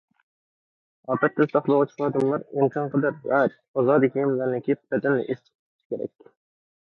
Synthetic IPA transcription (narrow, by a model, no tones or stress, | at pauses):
ɑp̪ɑt̪̚t̪ːɛzt̪ɑχlˠəʁʊt͡ʃʰlˠɑːd̪ɨmlˠɑɾɪmkʲʰɑnqəd̪ɑɾjɑt̪̚ | ɑzɑːd̪ɨkʲʰimlæɾnɪkʲibɛd̪ɛnlɪ̰ʔest̪ʰɪ̥q̚ʰ | ʃʰkʲeɾɛ̰kʲ